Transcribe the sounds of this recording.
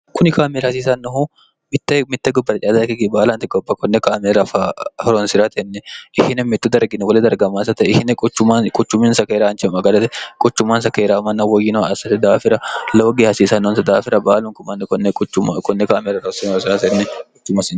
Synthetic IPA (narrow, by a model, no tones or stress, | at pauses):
kʊnɪkaːmeɾhɐs̬iːsɐnːɔɦu | mɪt̪ːɐmɪt̪ːɐɡʊbːɐt̪ɐt͡ʃʼɪjaːd̪ɐkɪɡibaːlant̪ɪɡɔbːɐkɔnːɛkaːmeɾɐfahɔɾɔnsɪɾat̪ɐnːɛʔɪhɪnɛmɪt̪ːʊd̪ɐɾɡɪnːɛwɔlɛd̪ɐɾɡɐmaːns̬ɐt̪ɐɪhɪnɛkʼʊt͡ʃːʊmankʼʊt͡ʃːʊminsɐkeːɾaːnt͡ʃɛmɐɡɐd̪ɐt̪ɛkʼʊt͡ʃːʊmaːns̬ɐkeːɾaːmɐnːɐwɔjːɪnɔɐsɐt̪ːɛd̪aːfɪɾɐloːɡehɐsiːsɐnːɔɔnsɐd̪aːfɪɾɐbaːlʊŋkʊmɐnːɛɔnːɛkʼʊt͡ʃːʊkɔnːɛkaːmeɾɐɾɔsɪnɔɾsɪɾat̪ɛnːɛkʼʊt͡ʃːʊmɐsɪ